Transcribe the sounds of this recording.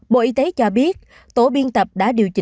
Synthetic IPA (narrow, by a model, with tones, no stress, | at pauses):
ɓo̰˧˨ʔi˧t̪e˨˦t͡ɕɔ˧ɓi˦˥ət̚ | t̪o˧˦ɓi˧ənt̪ə˨˩p̚ɗa̰ː˧˥ɗi˨˩əwt͡ɕï˨